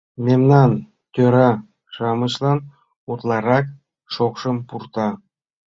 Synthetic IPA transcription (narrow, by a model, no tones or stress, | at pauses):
mʲemnɑn | t̪ʲøɾɑ | ʃɑmɤ̆ɕlˠɑn | ut̪lˠɑɾɑk | ʃokʃɤ̆mpurt̪ɑ